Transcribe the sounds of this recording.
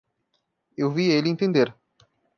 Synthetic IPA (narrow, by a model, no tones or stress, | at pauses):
ewvielɪẽnt̪ẽnd̪eɾ